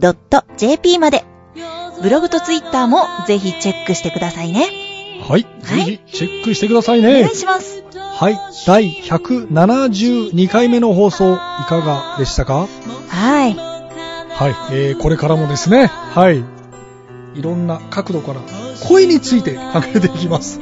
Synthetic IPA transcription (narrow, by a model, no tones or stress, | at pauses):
d̪̥o̞t̪ːo̞d͡ʑe̞ːpʲiːmad̪e̞ | bɯ̟ɾo̞ɡɯ̟t̪o̞t͡sɨit̪ːaːmo̞ze̞çit͡ɕe̞kːɯ̟ɕi̥t̪e̞kɯ̟d̪asaine̞haid͡zɨçit͡ɕe̞kːɯɕi̥t̪e̞kɯ̟d̪asaine̞ɲɕimasɨ̥haid̪̥aiçakɯ̟nanaʑɨːɲ̟ikaime̞no̞ɦo̞ːso̞ːikaɡad̪e̞ɕi̥t̪akahai | haieːko̞ɾe̞kaɾamo̞d̪e̞sɨne̞hai | iɾõ̞nːakakɯ̟d̪o̞kaɾakʰo̞eɲ̟it͡sɨit̪e̞kʰãŋɡaet̪e̞ikʲimasɨ̥